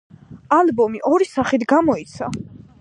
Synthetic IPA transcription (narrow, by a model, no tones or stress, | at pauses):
albɔmiʔɔɾisaχit̪ʰɡamɔit̪sʰa